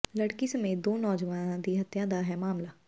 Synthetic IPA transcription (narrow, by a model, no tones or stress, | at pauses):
ləɽkisɐmeːt̪̚d̪oːnɔːd͡ʒəʋãnãd̪iːɦɐt̪jãd̪aɦɛːmaːmlaː